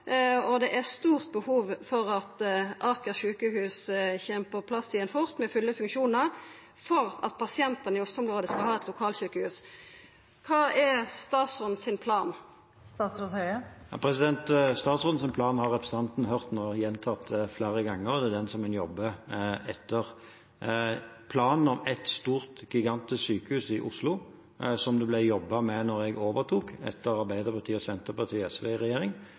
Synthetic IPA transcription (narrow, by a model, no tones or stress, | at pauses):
ɔd̪ɛʔɛʁst̪uːʁt̪̚bəhuːʋfɔʁɑt̪ʔɑkəʃʉːkəhʉːsçɛːmpʰɔpʰlɑsiːɛnfʊʁt̪mɛfʉlːəfʉŋkʃuːnəʁ | fɔʁɑ̰t̪̚pʰɑsɪɛnt̪ɑnɪɔsɔmlʁoːd̪əskɑlhɑːɛt̪lʊkʰɑːlʃʉːkəhʉːs | kʰɑːɛst̪ɑːt̪sɔn̩sɪnpʰlɑːn | st̪ɑːsɾuhœʏəjɑ̰pʰɾɛsɪd̪ɛnt̪st̪ɑːt̪sɔn̩sɪnpʰlɑːnhɑʁɛpʰɾɛsɑnt̪n̩ɦœʁt̪nɔjɛnt̪ʰɑt̪fleːɾəɡɑŋːəʁɔd̪ɛd̪ɛnsɔmkɑnjɔbːəɛt̪ʰːəʁ | pʰlɑːnn̩ɔmɛt̪st̪uːʁt̪ɡɪɡɑnt̪ɪssyːkəhʉːsɪʔʊslʊ | sɔmd̪ɛblɛɪjɔbːɑmɛnɔʁɛɡoːʋəʁt̪ʰuːkɛ̰t̪ʰːəɾɑʁbæɪd̪əɾpɑʁt̪ʰiːɔsɛnt̪əpɑt̪ʰiːɛsʋeʁɛjeːɾɪŋ